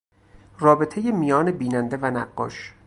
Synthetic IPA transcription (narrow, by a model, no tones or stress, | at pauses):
rɒːbe̞t̪ʰe̞je̞mijɒːnebiːnænd̪e̞vænæɢːɒ̰ːʃ